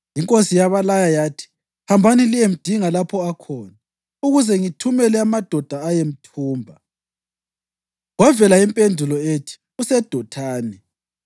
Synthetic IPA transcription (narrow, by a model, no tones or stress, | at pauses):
jiŋkʼosijaβalajajaːtʰi̥ | hambʱanilijem̩d̥ʱiŋalapʰɔakʰɔːna | uɣuzɛŋitʰumɛlɛamad̥ʱɔd̥ʱaːjem̩tʰuːmbʱa | wavɛlaimpʼendʱulɔetʰi̥ | usɛd̥ʱɔtʰaːnɛ